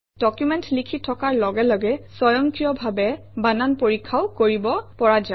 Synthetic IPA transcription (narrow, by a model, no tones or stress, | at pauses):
d̥ɔkjumɛntlikʰitʰɔkaɹlɔɡɛlɔɡɛsɔjɔŋkɹijɔbʱabɛ | bananpoɹikʰːawkoɹibɔpɔɹad͡ʒa